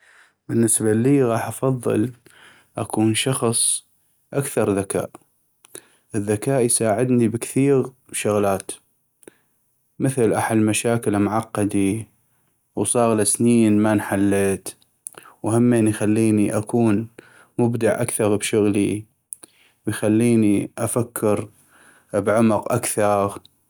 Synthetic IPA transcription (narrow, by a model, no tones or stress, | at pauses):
bɪnːɪsbaliːɣɑːħʔɑfɑðˤːɨ̰l | ʔakuːnʃɑxsˤ | ʔakθɑɾˤðaka̰ːʔ | ʔəðːakaːʔjsaːʕɪd̪nibəkθiːɣ | ʃʊɣlaːt̪ | məθlʔaħad̪maʃaːkɪlmʊʕɑqːɑd̪i | wsˤɑːɣlasniːnmanħalːeːt̪ | whamːenjxalːiːniʔakʰuːn | mʊbd̪ɪʕʔa̰kθɑɣbʃʊɣli | wjxalːiːniʔafakʰːɪɾ | bʕʊmʊqʔa̰kθɑɣ